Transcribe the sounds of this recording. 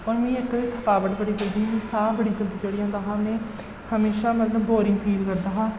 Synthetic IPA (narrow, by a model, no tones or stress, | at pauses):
ɔːɾmẽːɪkːd̪eːt̪ʰəkaːbəʈbəɽiːd͡ʒəld̪iːmẽːsaːbəɽiːd͡ʒəld̪iːd͡ʒəɽijãːnd̪aːɦãːmẽː | həmeːʃaːmət̪ləbboːɾɪ̃ŋɡpʰiːlkəɾd̪aːɦãː